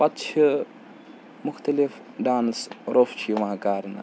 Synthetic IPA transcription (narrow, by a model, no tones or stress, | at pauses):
pɐt̪t͡ʃʰi | mʊxt̪ɐlif | ɖaːnsɾoft͡ʃʰiʋãːkaːɾna̰